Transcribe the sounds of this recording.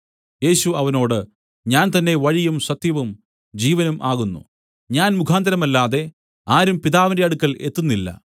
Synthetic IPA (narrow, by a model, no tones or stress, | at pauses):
je̞ːɕuɐʋɐno̞ːɽɨ | ɲaːnt̪ɐnːe̞ʋɐɻijumɕɐt̪jɐʋum | d͡ʑiːʋɐnumʔaːɣunːṵ | ɲaːnmukʰaːnd̪ɐɾɐmɐlːaːðe̞ | aːɾumpiðaːʋɐnɐjɐɽukːɐɭe̞t̪ːunːilːɐ̰